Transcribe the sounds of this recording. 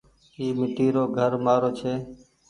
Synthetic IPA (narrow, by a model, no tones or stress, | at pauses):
iːmɪʈiːɾoːɡʱəɾmaːɾoːt͡ʃʰeː